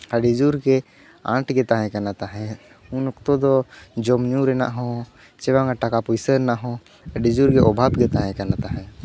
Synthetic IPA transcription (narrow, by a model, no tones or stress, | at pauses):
əɖid͡ʒuɾke | ã̰ːʈʰɡet̪aɦɛ̃kənat̪aɦɛ̃ | unɔkt̪od̪ɔd͡ʒɔmnuɾɛna̰ʔɦɔ̃ | t͡ʃɛʋãŋaʈakapujsəɾnaʔɦɔ̃ | əɖid͡ʒuɾkeɔbʱabɡet̪aɦɛ̃kənat̪aɦɛ̃